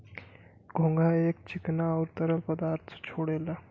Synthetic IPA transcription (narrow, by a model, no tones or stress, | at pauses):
ɡʱõŋɡʱaek̚t͡ɕiknaəwɾt̪əɾəlpəd̪aɾt̪ʰt͡ɕʰoɽela